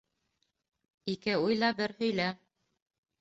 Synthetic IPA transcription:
ikɘujlˠɑbɘɾhɵ̆jlæ

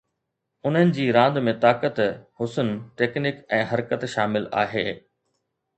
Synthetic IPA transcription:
ʊn̤ənɪ̆d͡ʑiːɾãːnd̪mẽt̪aːkət̪hʊsənʈeːknɪkɛ̃ːɦɐɾkət̪ʃaːmɪla̰ːɦeː

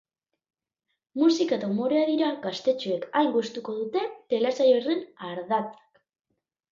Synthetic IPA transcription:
musikat̪omo̞ɾeaðiɾaɣast̪e̞t͡ʃue̞kajŋɡust̪uko̞ðut̪e̞t̪e̞lesajorenaɾðat͡sḁk

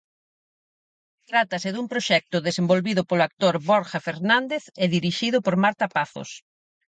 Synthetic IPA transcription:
t̪ɾat̪ɐsɪðumpɾoʃɛk̚t̪ʊðesembolβiðʊpolʊak̚t̪oɾβoɾxafeɾnãnd̪eθɛðiɾiʃiðʊpoɾmaɾt̪apaθo̰s

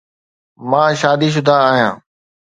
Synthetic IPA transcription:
mãːʃaːd̪iʃ̬ʊd̪ʱaːɦijãː

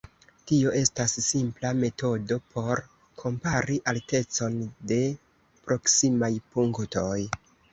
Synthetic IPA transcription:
tio̞ʔe̞stasːimplame̞to̞do̞pʰo̞ɾ | kʰo̞mpaɾiʔalte̞t͡so̞nde̞ | pɾo̞ksimajpuŋkto̞j

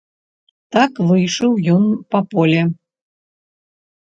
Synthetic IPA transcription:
t̪akvɨjʂɨwjɔnpɐpɔlʲɛ

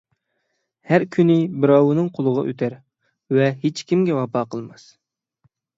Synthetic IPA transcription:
hæɾkʲʰynɪbɪɾɑwunɨŋqʰolˠəʁɑʔø̰t̪ʰæɾ | vɛɦet͡ʃkʲimɡʲɛwɑpɑːqʰəlˠmɑs

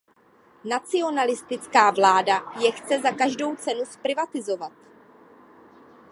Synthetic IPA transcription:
nat͡sɪo̞nalɪst̪ɪt͡skaːvlaːdajɛxt͡sɛzakaʒdo̞wt͡sɛnuspɾɪvat̪ɪzo̞vat̪̚

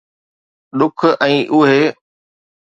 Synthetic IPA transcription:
ɗʊkʰɛ̃ːʔʊɦe

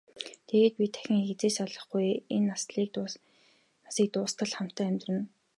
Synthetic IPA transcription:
t̪ʰeɣeːt̪̚pʲit̪ʰæ̥xʲɪ̆ŋxet͡seːsaɮə̆χɡujenːasɮiː | asiːk̚t̪ʊːst̪ʰə̆ɮχam̥t̪ʰːæːmʲt̪rɘ̆n

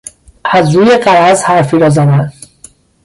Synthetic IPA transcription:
ʔæzɾuːje̞ɢæɾæzhæɾfiːɾɒːzæd̪æn

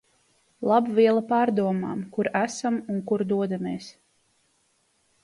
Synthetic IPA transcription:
lˠabvʲiɛlˠapaːɾd̪uɔma̰ːmkuɾæsamuŋkuɾd̪uɔd̪amiːs

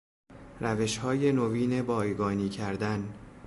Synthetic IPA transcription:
ɾæve̞ʃhɒːje̞noviːne̞bɒːjɡɒːniːcʰæɾd̪æn

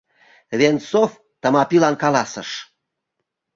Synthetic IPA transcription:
vʲent͡sof | t̪ə̆mɑpilɑnkɑlɑsəʃ

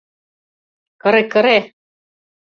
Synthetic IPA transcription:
kɤɾekɤɾe

